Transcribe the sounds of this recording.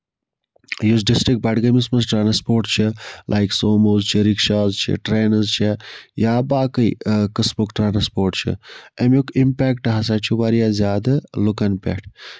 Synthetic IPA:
jus̬ɖisʈɾik̚ʈ̚bɐʈɡɐmismɐsʈɾaːnspoːɾʈt͡ʃʰilʔaːjksoːmoːzt͡ʃʰiɾikʃaːzt͡ʃʰḭʈɾeːnɐzt͡ʃʰejaːbaːkɐjkɐsbukʈɾaːnɐspoːɾʈt͡ʃʰḭɐmjukimpʲɛːkʈɦɐs̬at͡ʃʰuʋaɾijaːzjaːd̪ɐlukɐnpʲḛʈʰ

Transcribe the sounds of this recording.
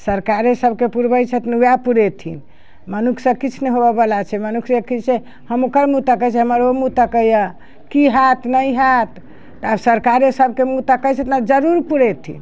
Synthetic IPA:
səɾkaɾesəbkepuɾbəjt͡ʃʰət̪nujapuɾet̪ʰḭn | mənukʰsəbkit͡ʃʰnɛɦobəbəlat͡ʃʰɛmənukʰsekit͡ʃʰe | həmokəɾmut̪akət͡ʃʰɛɦəməɾomut̪akəjə | kiɦat̪ʰnəjɦat̪ː | absəɾkaɾesəbʱkemut̪akəjt͡ʃʰət̪nad͡ʒəɾuɾpuɾet̪ʰḭn

